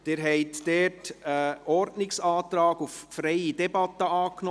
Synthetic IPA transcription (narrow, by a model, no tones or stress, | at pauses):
d̥ɪːɾɦɛɪtdɛːtəɔɾdnɪksɑːtɾɑːɡuffɾɛɪidɛbɑtəɑːknɔ